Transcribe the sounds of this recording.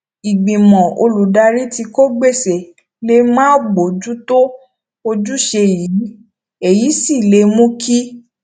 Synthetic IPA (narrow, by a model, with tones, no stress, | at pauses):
i˨ɡ͡bĩ˨mɔ̃˨o̰˧lu˨da˧ɾi˦ti˧ko˦ɡ͡be˦˨se˨ | le˨˦mãː˦ɡ͡bo˨d͡ʒu˦to˦ | o˧d͡ʒu˦ʃe˧ji˨˦ | e˨ji˨˦si˦˨le˧˦mũ˦ki˦